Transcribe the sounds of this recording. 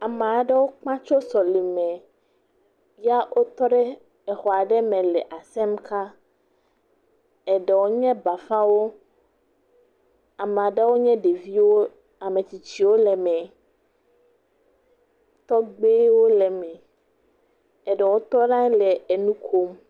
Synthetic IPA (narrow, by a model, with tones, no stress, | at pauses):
a˨me˨a˨ɖɛ˦wo˦k͡pã˦t͡ʃo˦sɔ˨li˨mɛ̃˨ | ja˦ʔo˦t̪ɔ˦ɖɛ˦ | ɛ˨xɔ˨a˨ɖɛ˦mɛ̃˨lɛ˨ʔa˨sɛ˦mka˦ | ɛ˨ɖɛ˨wo˦ɲɛ̃˦ba˨fã˦wo˦ | a˨m˨a˨ɖɛ˦wo˦ɲɛ̃˦ɖe˨vi˦wo˦ | a˨mẽ˨t͡ɕi˨t͡ɕi˨wo˦lɛ˨mɛ̃˨ | t̪ɔ˦ɡ͡be˦wo˦lɛ˨mɛ̃˨ | ɛ˨ɖɛ˨wo˦t̪ɔ˦nã˦lɛ˨e˨nũ˦kʰo˦m